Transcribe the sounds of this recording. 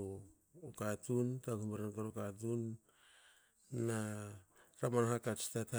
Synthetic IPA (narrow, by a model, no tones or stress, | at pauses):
o | katuntakumeɾankaɾokat̬un | a | ɾamanɦakat͡ʃi̥tata